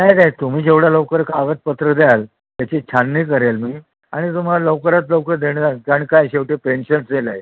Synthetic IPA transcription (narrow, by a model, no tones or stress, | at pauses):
najd̪ajt̪um̤iːd͡ʑeʋɽaləwkəɾkaɡət̪̚pət̪ɾəd̪jal | t̪jat͡ɕet͡ɕʰanːiːkəɾelmiː | aɽ̃it̪̬um̤alaləwkəɾat̪ləwkəɾd̪eɳak̪aɽikajɕeʋʈepenɕənsd̪elaɦj